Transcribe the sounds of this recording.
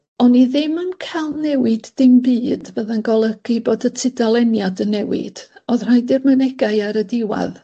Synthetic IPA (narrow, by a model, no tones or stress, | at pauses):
ɔniðɪmənkʰalˠnɛwɪdːɪmbiːdvəðanɡɔlˠəɡ̥iboːdətʰɪdalˠɛnjadənɛwɪ̰d̥ɔðr̥ajdɪrmənɛɡaɨaɾədɪwa̰ð